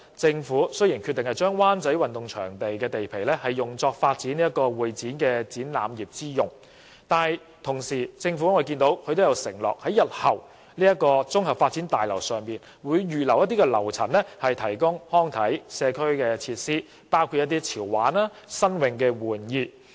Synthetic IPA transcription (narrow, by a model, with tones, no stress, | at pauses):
t͡sɪ˧ŋfuː˨˥sɵ˥jiː˨˩nkʰyː˧t̪ɪ˨ŋhɐ˨jt͡ʃœː˥ŋwaː˥nt͡sɐ˨˥jwɐ˨nt̪ʊ˨ŋt͡ʃʰœː˨˩ŋt̪e˨jkɛː˧t̪e˨jpʰe˨˩jlɛ˥hɐ˨˩jːʊ˨˩ŋt͡sɔː˧k̚faː˧t̚t͡siː˨˥ni˥ɐ˥t̚kɔː˧wuː˨˩jt͡siː˨˥nkɛː˧t͡siː˨˥nla̰ː˨˧mjiː˨˩p̚t͡siː˥jʊ˨˩ŋ | t̪aː˨˩ | t̪ʰʊ˨˩ŋsiː˨˩t͡sɪ˧ŋfu˨˥ŋɔː˨˧jk̬iː˧nt̪o˨˧˥wkʰɵ˨˧jt̪o˥wjɐ˨˧wsɪ˨˩ŋlɔ̰ː˨k̚hɐ˨˥jɐ˨t̚hɐ˨˩w | liː˥jɐ˥t̚kːɔː˧t͡sʊ˥ŋɦɐ˨p̚faː˧t̚t͡siː˨˥nt̪aː˨jlɐ˨˩wsœː˨˩ŋpiː˨n | wuː˨˧jɥyː˨lɐ˨˩wjɐ˥t̪i˥kɛ˧lɐ̰˨˩wt͡sʰɐ̰˨˩nlɛ˥hɐ˨jt̪ʰɐ˨˩jkʊ˥ŋhɔː˥ŋt̪ʰɐ˨˥jsɛː˨˧kʰɵ˥ɥkɛː˧t͡sʰiː˧t̚siː˥ | paː˥wkʰu˧jɐ˥t̪iː˥t͡sʰiː˨˩wːaː˨˥naː˥ | sɐ˥nwɪ˨˧ŋkɛː˧wuː˨˩njiː˧